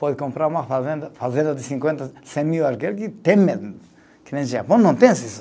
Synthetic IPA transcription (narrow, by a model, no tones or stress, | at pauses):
pɔðɪkõmpɾaɾũmɐfazẽnd̪ɐfazẽnd̪ɐd̪ɪsĩŋkwẽnt̪ɐsẽmiwaɾkelkɪt̪ẽme | kɪnẽʒapɐ̃nɐ̃w̃t̪ẽsis